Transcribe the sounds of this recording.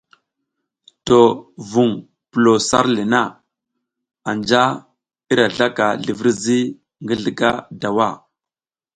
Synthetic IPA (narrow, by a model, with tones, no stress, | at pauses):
to˨vu˨ŋ | pə˨lo˨sa̰˦ɾli˨na˦˨ | a˨nd͡ʒa˦ | i˦ɾa˨ɮa˦ka˨ɮi˨vi˦ɾzi˦ | ŋɡə˦ɮə˦ɡa˦da˨wa˦˨